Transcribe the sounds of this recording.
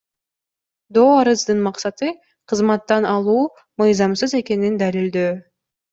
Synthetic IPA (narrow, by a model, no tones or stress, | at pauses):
d̪oːɑɾɯzd̪ɯnmɑqsɑt̪ɯ | qʰɯzmɑt̪ːɑnɑlˠuː | mɯjzɑmsɯze̞ke̞nind̪ælild̪øː